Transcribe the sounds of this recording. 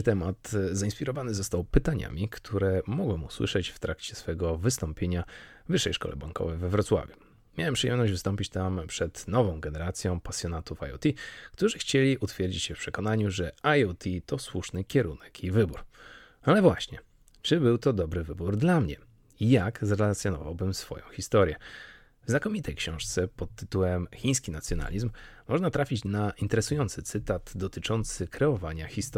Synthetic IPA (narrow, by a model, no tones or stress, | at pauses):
t̪ɛmat̪zaĩnspʲiɾɔvanɘzɔst̪awpɘt̪aɲa̰mʲikt̪ʰuɾɛmɔɡwɛmuswɘ̰ʂɛt͡ɕft̪ɾakt͡ɕɛsfɛɡɔvɘst̪ɔmpʲjeɲavɘʂːɛjʂkɔ̰lɛ̰ba̰ŋkɔ̰vɛjvɛvɾɔt̪swa̰vʲjuː | jawɛmpʂɨjɛmnɔɕʑd͡ʑvɘst̪ɔmpʲit͡ɕt̪ampʂɛt̪nɔvɔ̃w̃ɡɛnɛɾat̪sʲjɔ̃w̃pasʲjɔnat̪ufa̰jɔ̰t̪ʲikt̪uʐɘxt͡ɕelʲiʔut̪fʲjeɾd͡ʑit͡ɕɕɛfpʂɛkɔnaɲuʐɛajɔt̪ʲʰit̪ɔswuʂnɘkʲɛɾṵnɛkʰivɘbuɾ | alɛvwaɕɲɛ | t͡ʂɘbɘwt̪ɔd̪ɔbɾɘvɘbuɾd̪lamɲɛ | ijaɡzɾɛlat̪sʲjɔnɔ̰va̰wbɘmsfɔ̰jɔ̃w̃xʲist̪ɔɾʲjɛ | vznakɔmʲit̪ʰɛjkɕɔ̃w̃ʂt̪sɛpɔt̪ːɘt̪uwɛmxʲĩj̃skʲinat̪sʲjɔna̰lʲizmːɔʐnat̪ɾafʲit͡ɕnaint̪ɛɾɛsujɔnt̪sɘt̪sɘt̪ad̪d̪ɔt̪ɘt͡ʂɔnt̪sɘkɾɛɔvaɲaxʲist̪